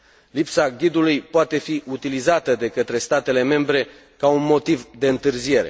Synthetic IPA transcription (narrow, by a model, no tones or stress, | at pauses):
lipsaɡʲid̪ulujpoat̪e̞fiʔut̪ilizat̪əd̪e̞kət̪ɾe̞st̪at̪e̞le̞me̞mbɾe̞ | kaunmo̞t̪ivd̪e̞ɨnt̪ɨrzije̞ɾe̞̰